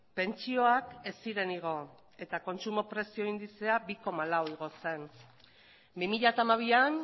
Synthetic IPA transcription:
pe̞nt͡ʃio̞ake̞siɾe̞niɣ̞o̞ | e̞t̪ako̞nt͡sumo̞pɾe̞sio̞ind̪it͡se̞abiko̞malawiɣ̞o̞se̞n | bimiʎat̪aːmaβ̞ian

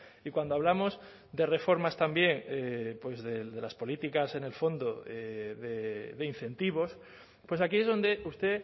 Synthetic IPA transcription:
ikwand̪oaβlamo̞z | d̪e̞re̞fo̞ɾmast̪ambje̞ŋepwe̞zðeðelaspo̞lit̪ikase̞ne̞lfo̞nd̪oeðeðein̟θẽ̞nt̪iβo̞s | pwe̞sakie̞zð̞o̞nd̪eust̪e̞

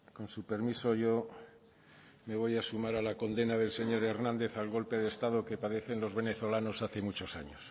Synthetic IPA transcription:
ko̞nsupe̞ɾmiso̞ʝo̞ | me̞β̞o̞jasumaɾalako̞nd̪e̞naðe̞lse̞ɲo̞ɾe̞ɾnãnd̪e̞θalɣo̞lpe̞ð̞est̪aðoke̞paðe̞θe̞nlo̞zβe̞neθo̞lano̞saθe̞mut͡ʃo̞sa̰ɲos

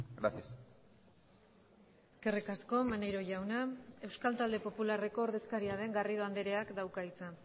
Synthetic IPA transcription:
ɡɾa̰sias | eske̞rikasko̞manejɾo̞ʝawnae̞wskalt̪ald̪e̞po̞pulare̞ko̞ːɾðe̞skaɾiaðe̞ŋɡarið̞o̞and̪eɾe̞akd̪awkait͡sa

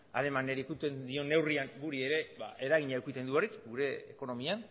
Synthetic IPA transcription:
a̰ɾe̞maneɾikut̪e̞nd̪io̞nːe̞wriaŋɡuɾie̞ɾe̞βa̰ʔe̞ɾaɣ̞iɲauwkit̪e̞nd̪uo̞rikɡuɾe̞ːko̞no̞mian

